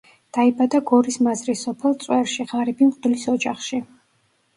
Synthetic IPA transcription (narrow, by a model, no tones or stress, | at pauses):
d̪̥aibad̪aɡɔɾismazɾisɔpʰɛlˠt̪sʼwɛɾʃiʁaɾɛbimqʼd̪lisɔd͡ʒaχʃi